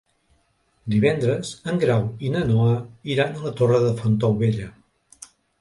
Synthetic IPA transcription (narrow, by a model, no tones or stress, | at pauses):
d̪iβ̞ɛnd̪ɾəzəŋɡɾawinənɔəiɾanələt̪orəðəfənt̪ɔwβeʎə